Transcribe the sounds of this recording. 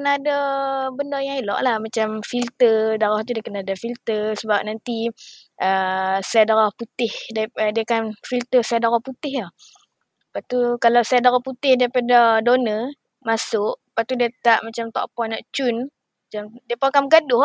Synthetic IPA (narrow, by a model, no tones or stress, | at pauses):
kənaːdabəndajãŋilɔ̰ʔlahmat͡ʃamfilt̪ədaɾɔht̪udiakənadafilt̪əsəbap̚nant̪iʔəsajadaɾɔhput̪ɪhdadiakanfilt̪əsajadaɾɔhput̪ɪɦlah | pat̪ukalawsajadaɾɔhput̪ɪhdaipadadonə | masʊʔpat̪udat̪aʔmat͡ʃamt̪ɔ̰ʔpɔnaʔt͡ʃun | mat͡ʃamdiapaakaməɡadʊh